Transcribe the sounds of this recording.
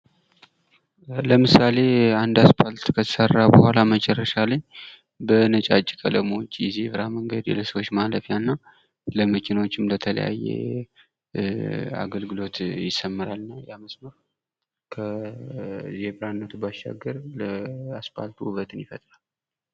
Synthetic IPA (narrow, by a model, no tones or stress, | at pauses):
ləmɨsale̞and̪aspʰalt̪kʰət̪ʰə̥sərːabəhʷalamət͡ʃʼɛrːəʃaləɲː | bənət͡ʃʼat͡ʃʼːikʼələmot͡ʃːʼjzeβɾaməŋɡəd̪ɛ̰ləsəwo̞t͡ʃːmaləfijanːaw | ləməkʰinwot͡ʃːɪmlət̪ʰələ̰ja̰jːḛ | a̰ɡəlɡɨlo̞t̪jɪsəmːɨɾalnajaməsməɾ | kʰə | zeβɾanːət̪ʰubaʃːa̰ɡːəɾləaspa̰lt̪ʰuuβət̪ʰɨnjɪfət̪ʼɾal